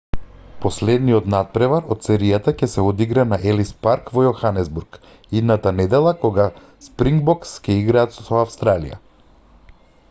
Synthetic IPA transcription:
poslɛd̪niɔt̪nat̪̚pɾɛvaɾɔt̪sɛɾijat̪acɛsɛod̪iɡɾanaʔɛlispaɾkvɔjɔxanɛzbuɾk | id̪nat̪anɛd̪ɛlˠakɔɡa | spɾiŋɡbɔkscɛiɡɾaːt̪sɔafst̪ɾalḭja̰

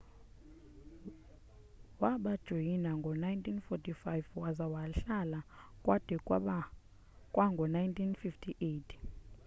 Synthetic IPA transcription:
waɓad̥ʒ̥ʱojinaŋɡʱɔnajntʰʼinfɔtʼifajvwazawaɬalakʼwad̥ʱɛ | kʼwaŋɡʱɔnajntʰinfiftʰiʔetʰ

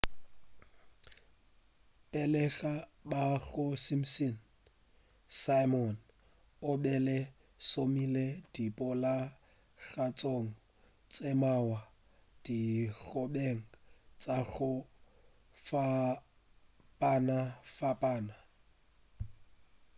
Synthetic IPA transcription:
pɛlɛɣabaɣʊsim̩sin | sajmɔn | ʊbɛlɛ | somiled̥ipʼɔla | ɣat͡sʼoŋ̩ | t͡sʼemawa | d̥iɣɔbeŋ̩t͡sʼaɣʊ | fa | pʼanafapʼaːna

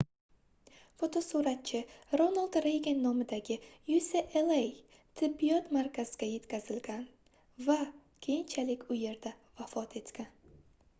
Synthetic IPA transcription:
fot̪ʰosuɾat̪̚t͡ʃʰɪɾonalˠd̪ɾejɡʲenːɒmɪd̪aɡʲɪjuseʔelˠej | t̪ʰɪbːijɒt̪maɾkʲʰaz̥ɪɡʲaje̞t̪kʲʰazɪlɡʲan | va | kʲʰe̞jɪnt͡ʃʰalɪkʲʰʊje̞ɾd̪a | vafɒt̪ʰe̞t̪kʲan

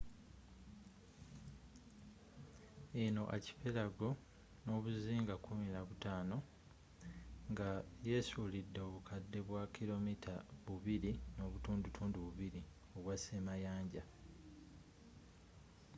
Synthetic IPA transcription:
eno̞ʔaci̥pelaɡo̞ | no̞ːβuziːŋɡakumilaβutaːno̞ | ŋɡaje̞sulidːo̞ːβukʰadːe̞βwakʰilo̞mitʰaβuβiɾino̞ːβutuːndutʰuːnduβuβiɾi | o̞βwasemajaːɲɟa

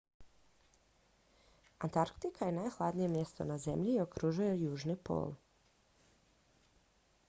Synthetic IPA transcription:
ant̪aɾkt̪ikʰaje̞najxlˠad̪nije̞mje̞st̪o̞̰naze̞mʎio̞kɾuʒujejuːʒnipo̰ːl

